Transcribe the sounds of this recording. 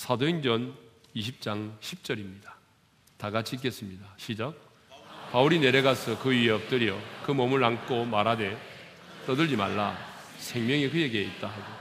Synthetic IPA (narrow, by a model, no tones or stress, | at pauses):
sʰadoind͡ʑʌn | iɕʰip̚t͡ɕ͈aŋɕʰip̚t͡ɕ͈ʌɾimɲid̥ḁ | taɡat͡ɕʰik̬͈es͈ɯmɲidaɕʰid͡ʑak̚ | pauɾine̞ɾeɡasʰʌkɯieʌp̚t͈ɯɾjʌkɯmʌmɯɭaŋk͈omaɾɦade̞ | t͈ʌdɯɭd͡ʑima̰ɭːa | sʰe̞ŋmjʌŋekɯje̞ɡeit̚t͈aɦaɡo